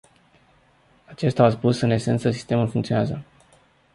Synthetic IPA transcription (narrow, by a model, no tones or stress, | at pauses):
at͡ʃe̞st̪aas̬pusɨne̞se̞nt̪səs̬i̥st̪e̞mulfuŋkt̪sioneazə